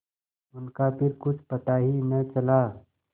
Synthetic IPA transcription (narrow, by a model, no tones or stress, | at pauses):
ʊnkapʰɪɾkʊt͡ʃʰpɐt̪aːɦimɛ̃t͡ʃɐlaː